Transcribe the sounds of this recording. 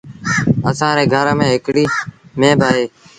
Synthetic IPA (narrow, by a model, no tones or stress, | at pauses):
əsãːɾeːɡʱəɾmẽːɦɪkɽiːmẽːbaːɦeː